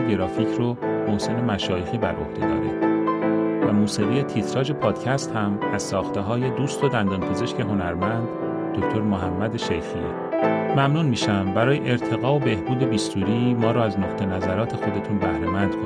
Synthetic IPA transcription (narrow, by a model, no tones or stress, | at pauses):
ɡeɾɒːfiːcʰɾomohse̞ne̞mæʃɒːjexiːbæɾʔo̞̰hd̪̥e̞d̪ɒ̰ːɾḭd̪̥ | væmuːsiːɣije̞t̪ʰit̪ʰɾɒːd͡ʒe̞pʰɒːd̪̥cʰæst̪hæmæz̥sɒːxt̪e̞ɦɒːje̞d̪uːst̪ʰod̪ænd̪ɒːnpʰe̞zeʃce̞ɦo̞næɾmænd̪ː | ocʰt̪ʰo̞ɾmoɦæmːæd̪eʃejxiḛ | mæmnuːnmiːʃæmbæɾɒːje̞̰ʔeɾt̪ʰe̞ɣɒːobe̞hbuːd̪e̞biːst̪uːɾiːmɒːɾɔːæznoqt̪ʰe̞næzæɾɒːt̪ʰe̞xo̞d̪e̞t̪ʰunbæhɾe̞mænd̪kʰo